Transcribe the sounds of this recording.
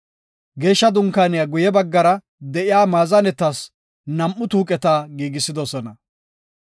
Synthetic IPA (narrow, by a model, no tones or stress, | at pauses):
ɡeːʃːɐd̪ʊŋkaːnɪjaɡʊjɛbɐɡːɐɾɐ | d̪ɛʔɪjaːmaːzɐnɛt̪ːɐs | nɐmʔːʊt̪uːkʼɛt̪aːɡiːɡɪsːɪd̪ɔsɔnɐ